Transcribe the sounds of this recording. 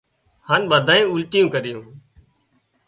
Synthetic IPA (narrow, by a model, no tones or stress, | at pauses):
haːnɓəd̪ʱaːẽːʊlʈɪjũːkəɾɪjũː